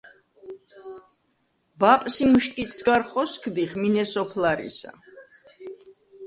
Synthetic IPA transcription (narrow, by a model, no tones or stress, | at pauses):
bapʼsimuʃkʼisɡaɾχɔskʰd̪iχminɛsɔpʰlaɾḭsa̰